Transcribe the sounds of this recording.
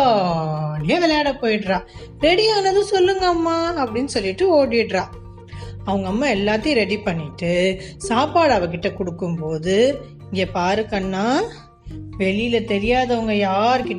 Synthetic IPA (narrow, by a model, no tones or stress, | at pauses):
niɐʋɛlɐjaːɽɐpoːjɪʈɾãː | ɾɛɽiaːnɐðɯ̃sɔlːɯŋɡɐmːaːɐpːɐɽɪnːɯsɔlːɪʈːɯoːɽɪʈɾãː | ɐʋɐŋɡɐmːɐɛlːaːt̪ːiɾɛɽipɐɳːɪʈːɯsaːpaːɽɐʋɐk̬ɪʈːɐkʊɽɯkːɯmpoːðɯ | ɪŋɡepaːɾɯkːɐnːaː | ʋɛɭɪjɪlɐt̪ɛɾɪjaːðɐɐʋɐŋɡɐjaːɾɯkɪʈː